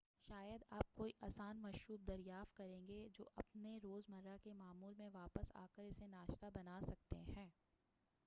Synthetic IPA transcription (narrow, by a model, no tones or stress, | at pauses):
ʃaːjəd̪aːp̚koːiʔaːsaːnmɐʃɾuːb̚d̪ɐɾjaːft̪̚kɐɾẽːŋɡed͡ʒo̰ːʔɐpneɾoːzmɐɾːakemaːmuːlmẽʋaːpəsa̰ːkəɾɪsenaːʃt̪abɐnaːsɐk̚t̪ḛɦɛ̃ː